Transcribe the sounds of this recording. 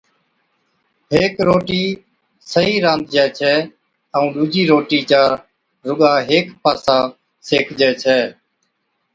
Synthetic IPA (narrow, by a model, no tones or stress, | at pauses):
ɦeːkɾoːʈiː | səɦiːɾãːnd̪̚d͡ʒaːt͡ʃʰɛː | əũːɗuːd͡ʒiːɾoːʈiːt͡ʃaːɾ | ɾʊɠãːɦeːkpʰaːsãː | seːkʰd͡ʒɛːt͡ʃʰɛː